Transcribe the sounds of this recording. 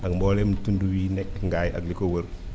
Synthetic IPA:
ɐkmbɔlɛmtunduwiːnɛk̚ːŋɡaːjɐ̰klikowəɾ

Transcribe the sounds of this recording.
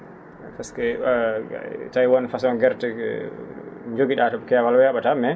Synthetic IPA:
faskɛ̰ | tajwɔnfasɔnɡɛɾtɛ | ɲd͡ʒoɡiɗatɔbkɛwalwɛaɓatamɛ

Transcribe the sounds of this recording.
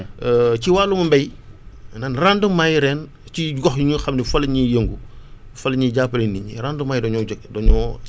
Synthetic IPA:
ciwaːlumɐmbɛj | nanrandəmːajɾɛːn | ciɡɔxjɲuxɐmnifɐlɐɲijəŋɡu | fɐlɲiɟaːpɐliniɲiɾandəmːaːjdɔɲɔdɔɲɔ

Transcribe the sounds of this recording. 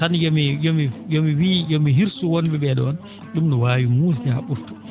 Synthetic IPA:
tanjɔmijomijomiwiːjɔmiɦiɾsuwonbɛbɛɗɔ̰ɔn | ɗumnɔwaːwimuːstɛa̰ɓuɾtu̥

